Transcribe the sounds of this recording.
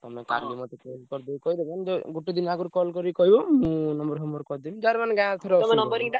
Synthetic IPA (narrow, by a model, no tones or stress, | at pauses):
t̪ɔmeka̰ɾbimɔt̪ekelkɔɾd̪ɔjkɔid̪eband͡ʒeɡuʈid̪inaɡuɾkɔlkɔɾikɔɦibomũnɔmbɔɾɦɔmbɔɾkɔɾd̪imd͡ʒaɾmanɡaaɾt̪ʰɔɾɔɔmenɔmbɔɾiŋʈa